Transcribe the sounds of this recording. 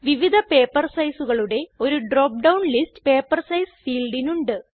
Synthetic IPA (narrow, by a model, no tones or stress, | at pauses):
ʋiʋid̪ʱɐpe̞ːpːɐrsɐjsuɣɐɭuɽe̞o̞ɾuɖroːp̚ɖɐwnlistpe̞ːpːɐrsɐjsfiːlɖinuɳɖɨ